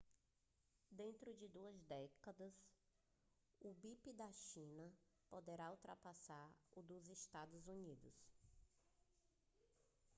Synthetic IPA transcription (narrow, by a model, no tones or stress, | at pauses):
d̪ẽnt̪ɾʊd͡ʒɪd̪uɐzd̪ɛkɐd̪ɐs | ʊbipid̪ɐʃĩnɐpod̪eɾauwt̪ɾapasaɾud̪ʊzeʃt̪ad̪ʊzunid̪ʊs